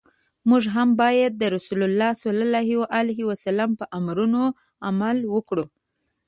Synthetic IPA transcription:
muʒɦambɑjad̪̚ːəɾʊsulʊlːɑsalalɑɦiwaʔalaɦiwasalampəʔamɾuno | a̰malwəkɽu

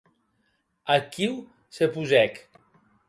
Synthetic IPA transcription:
akiw | sepuzɛk

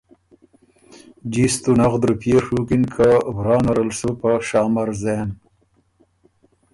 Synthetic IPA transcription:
d͡ʒist̪unaɣd̪ɾupʰeɾʂukinkʰawɾɑːnaɾəlsupaʃɑːmaɾzen

